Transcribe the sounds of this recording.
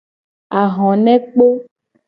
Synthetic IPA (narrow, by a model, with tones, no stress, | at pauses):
a˨ɦɔ̃˨nɛ̃˦k͡po˦